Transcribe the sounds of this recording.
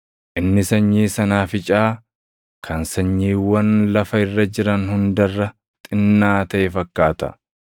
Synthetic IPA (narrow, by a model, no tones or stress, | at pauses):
ʔɪnːɪsɐɲːiːsɐnaːfɪt͡ʃʼaː | kʰɐnsɐɲːiːwɐnlɐfɐɪrːɐd͡ʒɪɾɐnhʊnd̪ɐrːɐ | t̪ʼɪnːaːt̪ɐʔeːfɐkːaːt̪ɐ̥̰